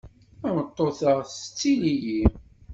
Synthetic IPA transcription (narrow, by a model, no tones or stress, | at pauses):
ænət̪ˤːoθəʁθət͡sːiliji